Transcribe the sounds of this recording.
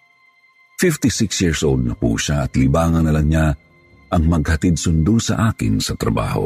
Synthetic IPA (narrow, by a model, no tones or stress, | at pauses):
fɪft̪isɪksjiɹsʔold̪̚nɐpṵːʃaɐt̪libaːŋɐnɐlɐŋɲa | ʔɐŋmɐɡ̚hɐt̪id̪̚sʊnd̪usɐ̰ʔaːkɪ̰nsɐt̪ɾɐ̰ba̰ːho̞̰